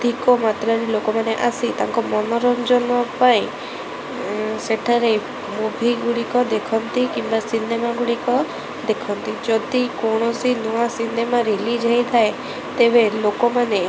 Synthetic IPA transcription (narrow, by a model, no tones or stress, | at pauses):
d̪ʱikɔmat̪ɾaɾelokɔmaneʔasit̪aŋkɔmɔnɔɾɔmd͡ʒɔnɔpaĩ | seʈʰaɾe | mubʱiɡuɽikɔd̪ekʰɔnt̪ikimbasinemaɡuɽikɔ | d̪ekʰɔnt̪id͡ʒɔd̪ikɔɽ̃ɔsinuasinemaɾelid͡ʒʱajt̪ʰae | t̪ebelokɔmane